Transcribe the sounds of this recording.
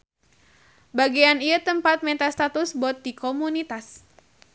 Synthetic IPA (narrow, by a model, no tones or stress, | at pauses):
baɡianiat̪əmpat̪̚mɛt̪ast̪at̪ʊsbɔt̪̚dikomunit̪as